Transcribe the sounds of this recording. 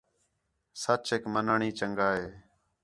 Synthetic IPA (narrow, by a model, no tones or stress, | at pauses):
sət͡ʃeːkmənaːɳiːt͡ʃəŋɡaːɦeː